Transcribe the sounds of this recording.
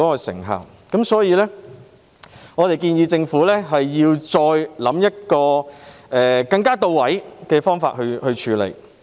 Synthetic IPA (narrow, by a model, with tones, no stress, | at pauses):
ɔː˨˥kɔ˧sɪ̰˨˩ŋɦa̰ː˨˩w | kɐ˨˥msɔː˨˥jiː˨˧lɛː˥ | ŋɔː˨˧t̪e˨jkiː˧njiː˨˧t͡sɪ˧ŋfuː˨˥lɛː˥ɦɐ˨jːiː˧wt͡ʃɔː˧jlɐ˨˥mjɐ˥t̚kɔː˧ɛː˨kɐ˧ŋkaː˥t̪o˨˧wwɐ˨˥jkɛː˧fɔː˥ŋfa̰ː˧t̚hɵ˧hɵ˧ɥt͡ʃʰyː˨˥lḛ˨˩j